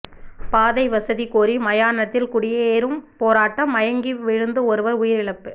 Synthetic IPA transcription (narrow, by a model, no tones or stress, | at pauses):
paːðɐɪʋɐsɐðikoːɾimɐjaːnɐt̪ːɪlkʊɽɪjeːɾɯmpoːɾaːʈːɐmːɐjɐŋɡiʋɪɻɯnd̪ɯɔɾɯʋɐɾʊjɪɾɪɭɐpːɯ